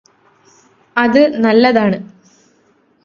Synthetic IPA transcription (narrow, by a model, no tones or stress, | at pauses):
ɐðɨnɐlːɐðaːɳɨ